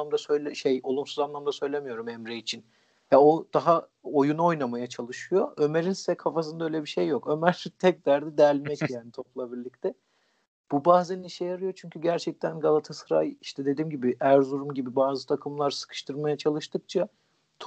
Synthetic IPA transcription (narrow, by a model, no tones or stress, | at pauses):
amd̪asø̞jlʲɛʃejo̞lˠumsuzanlˠamd̪asø̞jlʲe̞mijo̞ɾumɛmɾeit͡ʃʰin | jaod̪̥aɦa | ojuno̞jnamajat͡ʃʰalˠɯʃɯjo̞ʔømeɾinssɛkʰːafas̬ɯnd̪aøjlʲebiʃejːo̞kø̞mæɾt̪ʰɛc̚d̪æɾd̪ɛd̪æɾlʲmɛcjaːnit̪ʰo̞plˠabiɾlʲic̚t̪ʰɛ | b̥ubaːzɛniʃejaɾɯjo̞t͡ʃʰyɲcʰyɟæɾt͡ʃʰɛc̚t̪ʰænɡalˠat̪ʰasɯɾa̰jiʃt̪ʰɛd̪e̞d̪iːmɟibiʔæɾzuɾumɟibibaːzɯt̪ʰakʰɯmlˠaɾsɯ̥kʰɯ̥ʃt̪ʰɯɾmajat͡ʃʰalˠɯʃt̪ʰɯk̚t͡ʃʰa | t̪ʰ